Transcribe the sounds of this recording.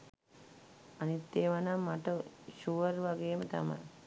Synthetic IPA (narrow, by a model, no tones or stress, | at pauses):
anit̪ːeːʋanamːaʈəʃuʋəɾʋaɡeːmət̪a̰ma̰j